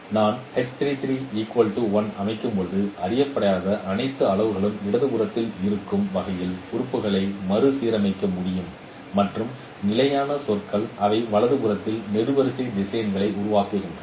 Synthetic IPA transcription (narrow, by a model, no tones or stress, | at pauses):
naːnhɛst̪ɾiːt̪ɪɾiːiːkːwɐːlʈuʋɐnɐmɐɪkːɯmpɔðɯʔɐɾɪjɐpːɐɽɐjaːðɐʔɐnɐɪt̪ːɯɐɭɐʋɯɣɐɭɯmɪɐðɯkʊɾɐt̪ːɪlɪɾɯkːɯmʋɐɣɐjɪlʊɾʊpːɯɣɐɭɐɪmɐɾɯsiːɾɐmɐɪkːɐmʊɽɪjɯmː | ɐʈrɯm | nɪlɐjaːnɐsɔrkɐɭʔɐʋɐɪʋɐɭɐðɯkʊɾɐt̪ːɪlnɛɽɯʋɐɾɪsɐɪd̪ɪsɐjɐnɡɐɭɐɪʔʊɾʊʋaːkɪɣɪndrɐ